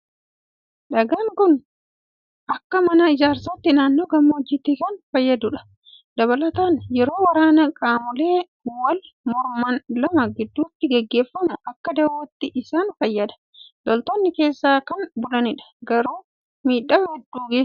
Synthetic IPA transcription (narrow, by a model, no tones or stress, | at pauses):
ᶑɐɡaːŋkʊn | ʔɐkːɐmɐnɐɪd͡ʒaːɾsaːt̪ːɪnaːnːoːɡɐmːɐʊd͡ʒːɪt̪ikɐnfɐjːɐd̪ʊᶑɐ̥ | d̪ɐβɐlɐt̪aːnjɛɾo̞ːwɐɾaːnɐkʼaːmʊle̞ː | wɐl | mɔɾmɐnlɐmɐɡɪd̪ːuːt̪ːɪɡɛɡːe̞ːfːɐnʊʔɐkːɐd̪ɐwɐt̪ːɪʔɪsaːnfɐjːɐd̪ɐ̥ | d̪̥ɔlt̪ɔnːɪke̞ːsːaːkɐnbʊlɐnɪᶑɐ̥ɡɐɾuː | miːᶑːɐmhɛd̪ːuːɡeː